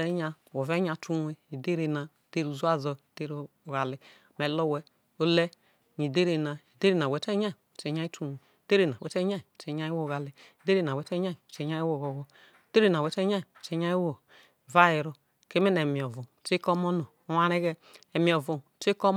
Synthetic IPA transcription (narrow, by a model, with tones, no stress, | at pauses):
ɛ˦ɲa˧˨wɔ˨vɛ˦ɲa˨˦tu˦we˨i˨de˦ɾe˨na˨de˦ɾu˨zu˦a˦zɔ˧i˨de˦ɾo˨ɣa˨li˨ | mɛ˨lɔ˦wɛ˦ | o˦lɛ˦˨ | ɲi˨de˦ɾe˨na˨i˨de˦ɾe˨na˨wɛ˨˦tɛ˦ɲa˦˨t͡ʃɛ˨ɲ˦a˦i˦tu˦e˨de˦ɾe˨na˨wɛ˨˦tɛ˦ɲa˦i˨t͡ʃe˨ɲa˦ji˦wo˦˨ɣa˨li˨i˨de˦ɾe˨na˨wɛ˨˦tɛ˦ɲa˦i˨t͡ʃɛ˨˦ɲa˦ji˦wo˨ɣɔ˨ɣɔ˨ | de˦ɾe˨na˨wɛ˨˦tɛ˦ɲa˦i˨t͡ʃɛ˦ɲa˦i˦wo˨ | va˦ji˨ɾɔ˨ | ke˦me˦nɛ˨mi˨ɔ˨vo˨te˦kɔ˦mɔ˦nɔ˨ | o˦wa˦ɾe˦ɣɛ˦ | ɛ˨mi˨ɔ˨vo˨t͡ʃe˦kɔ˦m